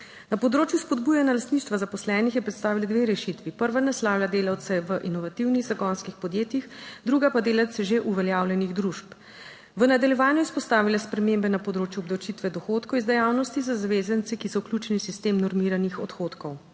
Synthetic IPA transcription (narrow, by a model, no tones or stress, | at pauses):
napɔd̪ɾoːt͡ʃjuspɔd̪buːjanjalast̪niʃt̪ʋazapɔslɛːnixjɛpɾɛt̪st̪aːʋilad̪ʋeɾɛʃit̪ʋipəɾʋanɛslaːwlʲjad̪eːlawt̪sɛʋəʔinɔʋat̪iwniɣzaɡɔnskixpɔd̪jeːt̪jixd̪ɾuɡapad̪eːlawt̪sɛʒeʔuʋɛljaːwlʲjɛniɣd̪ɾuʃp | ʋənad̪aljɛʋaːnjuispɔst̪aːʋilaspɾɛmembɛnapɔd̪ɾoːt͡ʃjuɔb̚d̪ɐwt͡ʃit̪ʋɛd̪ɔxoːt̪kɔwizd̪ɛjaːwnɔst̪izazaʋeːzənt̪sɛkisɔwklʲjut͡ʃɛnisist̪eːmnɔɾmiːɾanixɔt̪xoːt̪kɔw